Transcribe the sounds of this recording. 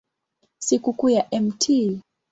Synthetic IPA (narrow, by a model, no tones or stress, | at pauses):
sikukujaʔɛmtʰi